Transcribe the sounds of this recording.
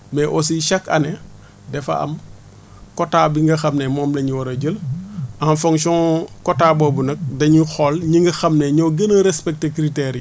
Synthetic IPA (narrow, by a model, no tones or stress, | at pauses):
mɛʔɔs̬iʃɐkɐ̰ne | dɛfɐ̰ʔɐ̰m | kɔtaːbiŋɡɐxɐmnemɔːmlɐɲuwɐɾɐɟəlɐnfoŋsɔ̃ːkɔtaːbɔbunɐk̚dɐɲixɔlɲiŋɡɐxɐmneɲɔɡɐnəɾɛspɛk̚tekɾitɛɾi